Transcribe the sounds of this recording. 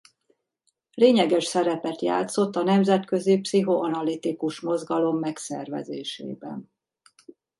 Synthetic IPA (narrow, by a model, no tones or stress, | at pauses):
leːɲɛɡɛʃsɛɾɛpɛt̪ja̰ːt̪so̞t̪ːɒnɛmzɛt̪kø̞zipsiɦo̞ʔɒnɒlit̪ikuʃmo̞zɡɒlo̞mːɛksɛ̰rvɛ̰zeːʃḛːbɛ̰n